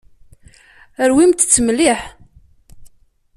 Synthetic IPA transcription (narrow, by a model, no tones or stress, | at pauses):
əɾwimt̪t͡sːmliħ